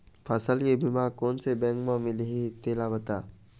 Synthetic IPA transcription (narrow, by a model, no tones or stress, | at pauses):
pʰəsəljebʱimakoːnsebɛ̃ŋkmãmɪlɦit̪eːlabət̪a